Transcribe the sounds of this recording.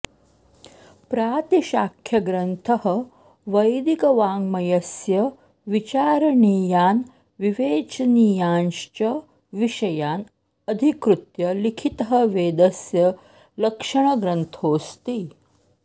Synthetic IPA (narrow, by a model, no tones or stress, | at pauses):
pɾaːt̪iʃaːkʰjɐɡɾɐnt̪ʰɐɦɐ̆ | ʋɐjd̪ikɐʋaːŋɡmɐjɐsjɐ | ʋit͡ʃaːɾɐɳiːjaːn | ʋiʋeːt͡ʃniːjaːnʃt͡ʃɐ | ʋiʃɐjaːn | ɐd̪ʱikɾut̪jɐlikʰit̪ɐɦɐ̆ʋeːd̪ɐsjɐ | lɐkʂɐɳ̃ɐɡɾɐnt̪ʰoːst̪i